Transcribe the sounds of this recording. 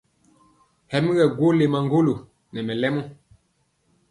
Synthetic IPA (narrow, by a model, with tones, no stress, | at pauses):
hɛ˨mi˦ɣɛ˨ɡwo˦le˨ma˨ŋɡo˦lo˨ | nɛ˨mɛ˨lɛ˦mɔ˦